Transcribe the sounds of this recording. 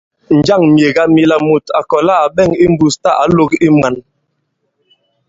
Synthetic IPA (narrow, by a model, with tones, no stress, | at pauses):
n̩˨d͡ʒa˦˨ŋmje˨ɡa˦mi˦˨la˨mu˨ta˨kɔ˨la˦a˨ɓɛ˦˨ŋi˦m̩˦bu˦˨sta˦˨ʔa˨˦lo˦ki˦mwa˨n